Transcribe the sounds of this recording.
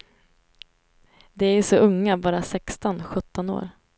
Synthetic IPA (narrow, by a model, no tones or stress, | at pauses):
d̪ɛæʂɔʔɵŋːabɑːɾasɛkst̪ɔnɧɵt̪ːɔno̰ːɾ